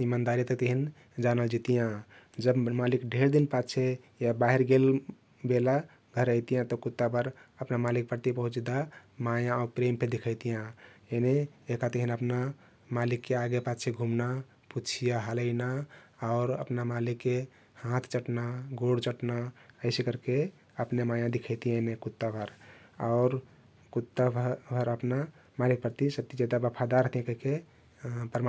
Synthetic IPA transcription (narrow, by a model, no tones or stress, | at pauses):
imand̪aɾit̪ət̪eɦin | d͡ʒanəld͡ʒit̪ijãd͡ʒəbmalikɖʱeɾd̪inpat͡ʃʰe | jabaɦiɾɡel | bela | ɡʱəɾəjt̪ijãt̪ɔkut̪ːapəɾəpnamalik̚pəɾt̪ipəɦut͡ʃd̪amajãɔɾpɾempʰed̪ikʰəjt̪ijãeneekat̪eɦinəpna | malikːeaɡepat͡ʃʰeɡʱumna | put͡ʃʰijaɦələɪnaɔʊɾə̰pnamalikːe | hãt̪ʰt͡ʃəʈnaɡoɽt͡ʃəʈnaəɪsekəɾke | əpnemajãd̪ikʰət̪ijãenekut̪ːabʱəɾɔʊɾ | kut̪ːabbʱəɾəpna | malik̚pəɾt̪isəb̚t̪id͡ʒed̪abəpʰad̪aɾəɦt̪ijãkəke | pəɾm